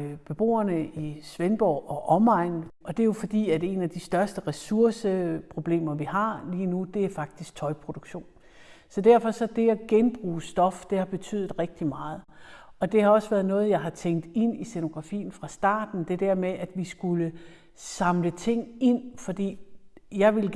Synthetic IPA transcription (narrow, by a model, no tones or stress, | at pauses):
b̥e̝b̥o̝̰ːɐnəisʋenb̥ɒ̰ʊʔɒʔɒmɑ̈ɪ̰nʔɒ̽d̥e̝jo̝fɒ̽d̥ḭːædæe̝næd̥isd̥ɶɐsd̥əʁɛsuɐsəpʰʁo̝b̥le̝̰ːmɐʋiɦɑ̈liːnud̥e̝æɐfɑ̈ɡ̥̚d̥isɡ̥̚t͡sʰɒ̽ɪpʰʁo̝d̥uɡ̥ɕo̝̰ːn | sɒ̽d̥æɐ̰fɒ̽sɒ̽d̥e̝æɡ̥enb̥ʁṵːsd̥ɒ̽fd̥e̝hɑ̈b̥e̝t͡sʰy̰ð̞̩ˠʁɛɡ̥̚d̥imɑ̈ːð̞̩ˠɒ̽d̥e̝hɑ̈ɒ̽sʋæɐðˠnɔ̽ːð̞̩ˠjɑ̈ɪɦɑ̈t͡sʰeŋ̰ɡ̚d̥e̝n̰iseno̝ɡ̥ʁɑ̈fḭːn̩fʁɑ̈sd̥ɑ̰̈ːd̥n̩d̥e̝d̥æɐ̰meʔæd̥ʋisɡ̥ulə | sɑ̈mlət͡sʰe̝ŋ̰e̝n̰fɒ̽d̥ḭːjɑ̈ɪʋe̝l